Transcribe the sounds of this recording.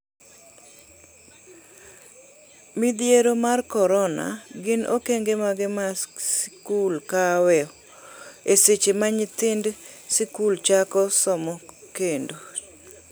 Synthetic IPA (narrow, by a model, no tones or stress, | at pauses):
mid̪jeɾomarkɔɾɔna̰ɡɪno̰keŋɡemaɡɪmaskulkawɛɔ | eset͡ʃemaɲɪt̪ɪndsɪkult͡ʃakɔsɔmɔkendo